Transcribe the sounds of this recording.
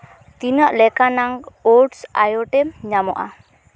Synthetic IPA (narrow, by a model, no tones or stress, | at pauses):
t̪inaʔlɛkanaŋɔɖsa̰jɔʈɛmɲamɔ̰ʔa̰